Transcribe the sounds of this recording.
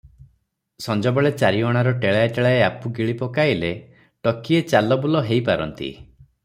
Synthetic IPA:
sɔnd͡ʒɔbɔɭet͡ʃaɾiɔɽ̃aɾɔʈeɭaeʈeɭaeapuɡiɭipɔkaɦile | ʈɔkiet͡ʃalɔbulɔɦejpaɾɔ̰nt̪ḭ

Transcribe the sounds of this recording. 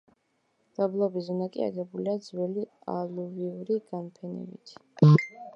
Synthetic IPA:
d̪̥ablˠɔbizɔnakʼḭa̰ɡɛbuliad̪zwɛlia̰luviuɾiɡ̥ampʰɛnɛ̰bḭt̪ʰ

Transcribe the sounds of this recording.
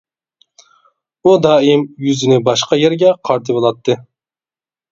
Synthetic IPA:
ud̪ɑːimjyzɪnɪbɑʃqɑjeɾɡʲɛqʰɑɾt̪ʰɨbolˠɑt̪ʰːɨ

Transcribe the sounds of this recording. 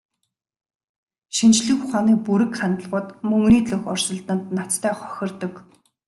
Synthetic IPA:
ʃint͡ɕɮɘ̆xʊχaːniːpuɾɘ̆kχant̪ə̆ɮʁʊːt̪mɵŋniːt̪ɮɵxɔrsə̆ɮt̪ə̆nt̪̚nat͡st̪ʰæːχɔ̥xʲɪ̆rt̪ɞ̆k

